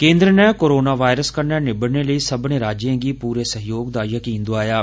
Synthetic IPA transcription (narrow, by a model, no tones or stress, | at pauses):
kẽːnd̪ɾənɛːkoːɾoːnaːʋaːɪɾəskəɾnɛːnɪbəɽneːləiːsəbnẽːɾaːd͡ʒjãːɡiːpuːɾeːsəɦɪjoːɡ̚d̪aːjəkĩːnd̪ʊaːjaː